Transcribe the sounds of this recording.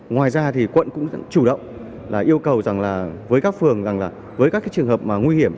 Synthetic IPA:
ŋwaː˨˩jzaː˧t̪ʰi˨˩kwə̰˧˨nkʊ̰˧˥ŋ͡mt͡ɕu˧˩ɗə̰˧˨wŋ͡m | laː˨˩ʔi˧əwkə˨˩wza˨˩ŋlaː˨˩vəː˨˦jkaː˦˥k̚fɨ˨˩əŋza˨˩ŋlaː˨˩ | vəː˨˦jkaː˦˥kːaː˨˦jt͡ɕɨ˨˩əŋɦəː˨˩p̚maː˨˩ŋwi˧hi˧˩əm

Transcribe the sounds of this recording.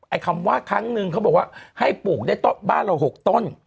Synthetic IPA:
ʔa˧jkʰa˧mwaː˥˩kʰɾa˦˥ŋnɯ˧ŋkʰbɔː˨˩kwaː˥˩ha˥˩jpuː˨˩k̚daː˥˩jt̪o˥˩ba̰ː˥˩nɾa˧wɦo˨˩k̚t̪o˥˩n

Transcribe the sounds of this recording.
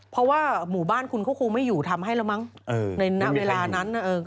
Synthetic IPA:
pʰɔ˦˥waː˥˩muː˩˦baː˥˩nkʰu˧nkʰa˥˩kʰuː˧ŋma˥˩juː˨˩t̪ʰa˧mhɦa˥˩jla˦˥wma˦˥ŋʔɤ˧na˧jna˦˥ʔweː˧laː˧na˦˥na˧˩ʔɤː˧

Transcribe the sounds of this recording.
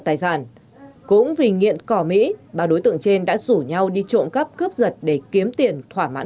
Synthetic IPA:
t̪aː˨˩jzaː˧˩n | kʊ̰˧˥ŋ͡mvi˨˩ŋḭ˧˨ənkɔ˧˩mḭ˧˥ɓaː˨˩ɗo˨˦jt̪ɨ̰˧˨əŋt͡ɕe˧nɗa̰ː˧˥zu˧˩ɲa˧wɗi˧t͡ɕo̰˧˨nkə˦˥p̚kɨ˦˥əp̚zə˨˩t̚ɗe˧˩ki˨˦əmt̪i˨˩ənt̪ʰwaː˧˩ma̰ː˧˥

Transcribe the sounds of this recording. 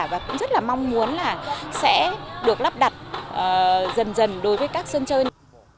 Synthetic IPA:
vaː˨˩kʊ̰˧˥ŋ͡mzə˦˥t̚laː˨˩ma˧wŋ͡mmu˨˦ənlaː˨˩sɛ̰˧˥ɗɨ˨˩ək̚la˦˥p̚ɗa˨˩t̚ʔːzə˨˩nzə˨˩nɗo˨˦jvəː˨˦jkaː˦˥k̚sə˧nt͡ɕəː˧j

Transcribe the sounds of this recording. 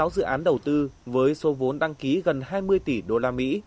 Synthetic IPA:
a˨˦wzɨ̰˧˨ʔaː˨˦nɗə˨˩wt̪ɨ˧vəː˨˦jso˨˦vo˨˦nɗa˧ŋki˨˦ɣə˨˩nhaː˧jmɨ˧əjt̪i˧˩ɗo˧laː˧mḭ˧˥

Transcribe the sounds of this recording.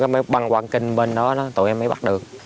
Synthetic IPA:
a˨˦ma˨˦jɓa˧˩ŋkwaː˧˩nkï˧˩ŋ̟ɓe˧nɗɔ˨˦nɔ˨˦t̪o̰˨˧˨ʔɛ˧mːə˨˦jɓa˦˥t̚ɗɨ˨˩ək̚

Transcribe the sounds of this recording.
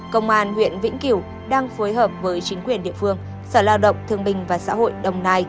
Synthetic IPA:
kə̰˧˨wŋ͡mʔaː˨˩nhwḭ˧˨ənvḭ˧˥ŋki˧˩w | ɗaː˧ŋfoː˨˦jɦəː˨˩p̚vəː˨˦jt͡ɕï˨˦ŋ̟kwi˨˩ənɗḭ˧˨əfɨ˧əŋ | səː˧˩laː˧wɗə̰˧˨wŋ͡mt̪ʰɨ˧əŋɓï˨˩ŋ̟vaː˨˩sa̰ː˧˥ɦo̰˧˨jɗə˨˧˩wŋ͡mnaː˧j

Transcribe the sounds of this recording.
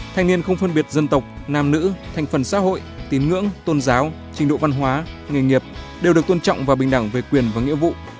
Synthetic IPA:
t̪ʰa˨˩ŋ̟ni˧ənxə˧wŋ͡mfə˧nɓi˨˩ət̚zə˧nt̪ə˨˩wk͡p̚naː˧mnɨ̰˧˥t̪ʰa˨˩ŋ̟fə˨˩nsa̰ː˧˥ɦo̰˧˨jt̪i˨˦nŋɨ̰˧˥əŋt̪o˧nzaː˨˦w | t͡ɕï˨˦ŋ̟ɗo̰˧˨va˧nɦwaː˨˦ŋi˨˩jŋi˨˩əp̚ | ɗe˨˩wɗɨ˨˩ək̚t̪o˧nt͡ɕɔ̰˧˨wŋ͡mvaː˨˩ɓï˨˩ŋ̟ɗa˧˩ŋve˨˩kwi˨˩ənvaː˨˩ŋḭ˧˥əvṵ˧˨

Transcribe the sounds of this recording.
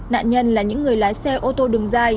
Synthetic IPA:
na̰ː˧˨nɲə˧nlaː˨˩ɲɨ̰˧˥ŋːɨ˨˩əjlaː˨˦jsɛ˧ʔo˧t̪o˧ɗɨ˨˩əŋzaː˧j

